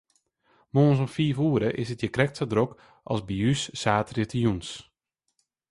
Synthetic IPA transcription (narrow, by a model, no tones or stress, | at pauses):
moːnsɔmfiːfuəɾəʔɪsət̚jəkrɛk̚tsadrok | ʔɔ̰lˠsbiysːaːtrɪtəjuns